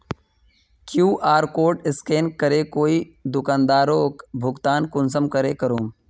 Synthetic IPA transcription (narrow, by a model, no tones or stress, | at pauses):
kjuːʔaːɾkoːʈɪskeːnkəɾekoːid̪ʊkãːnd̪aːɾoːkbʱʊɡt̪aːnkʊns̬əmkəɾeːkəɾoːm